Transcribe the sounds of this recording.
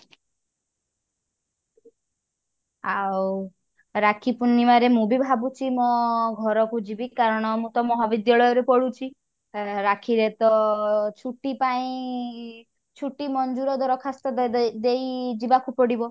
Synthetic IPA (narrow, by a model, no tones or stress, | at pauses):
aw | ɾakʰipunːimaɾemũbʱibʱabut͡ʃʰimɔɡʱɔɾɔkud͡ʒibikaɾɔɽ̃ɔmũt̪ɔmɔɦabid̪jaɭɔjɔɾepɔɽut͡ʃʰi | ɾakʰiɾet̪ɔt͡ʃʰuʈipaĩ | t͡ʃʰuʈimɔnd͡ʒuɾɔd̪ʱɔɾɔkʰast̪ɔd̪ejd͡ʒibakupɔɽibɔ